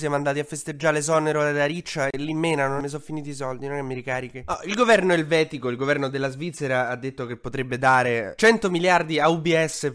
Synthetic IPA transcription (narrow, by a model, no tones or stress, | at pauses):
sjaɛmand̪aːt̪iafːest̪ed͡ʒːaːɾes̬ɔneɾolad̪aɾit͡ʃːaelimːeːnanonːes̬ɔfːiniːt̪̬isɔld̪inonkemːiɾikaːɾik̟eɔilɡovɛrnoelvɛːt̪ikoilɡovɛrnod̪elːazvit̪seɾaad̪ːet̪ːokepːot̪ɾebːed̪aːɾet͡ʃɛnt̪omiljard̪iaubiɛsːe